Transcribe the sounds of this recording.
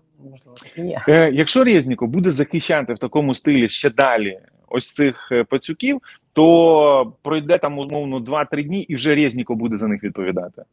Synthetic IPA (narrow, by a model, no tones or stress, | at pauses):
jɐkʃt͡ʃɔɾʲɛzʲnʲikɔbud̪ɛzɐxɪʃt͡ʃːat̪ɪwt̪ɐkɔmʊst̪ɪlʲiʃt͡ʃɛd̪ɑlʲi | ɔ̰sʲt̪sɪxpɐt͡sʲʊkʲiw | t̪ɔ | pɾɔjd̪ɛt̪amɔmɔwnɔd̪ʋɑt̪ɾɪdʲnʲiʔiwʒɛɾʲɛzʲnʲikɔbud̪ɛzɐnɪxʋʲid̪̚pɔʋʲid̪ɑt̪ɪ̥